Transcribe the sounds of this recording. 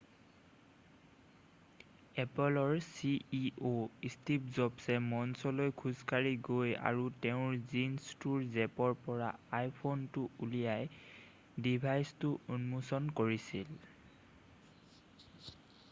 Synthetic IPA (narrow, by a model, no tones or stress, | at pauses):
ɛpɔlɔɹsiiʔoistipzɔbsɛmɔnsɔlojkʰuzkaɹiɡoja̰ɹuteʊ̃ɹzinstuɹzɛpɔɹpɔɹa̰ajpʰontʊulijaj | dibʱajstʊunmusɔnkoɹisil